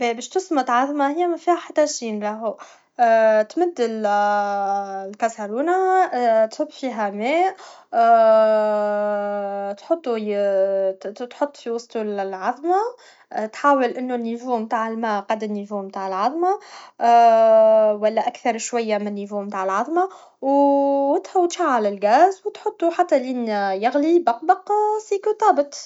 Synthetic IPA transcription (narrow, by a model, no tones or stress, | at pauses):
bɛbɛːʃt̪ʊsmət̪ʕɑðˤmahɪjːæmæfihæħat̪ːæʃiːnlæɦu | t̪mʊd̪ːɪl | lkasaɾuːnat̪hʊbːfiɦæmɛːʔ | t̪ħʊt̪ˤːu | t̪ħot̪ˤːfiwɑst̪ullʕɑðˤma | t̪ħaːwəlʔɪnːunːivuːmt̪aːʕɪlmaːqɑd̪ɪnːivuːmt̪aːʕəlʕɑðˤmɑ | wælːæʔækθɑɾˤʃwajːamɪnːivuːmt̪aːʕəlʕɑðˤmɑ | wɪt̪hawt̪faʕːalɪlɡaːzwt̪ħʊt̪ˤːuħat̪ːælinjɪɣlibɑq̚bɑqsiːkut̪ˤɑːbət̪ˤ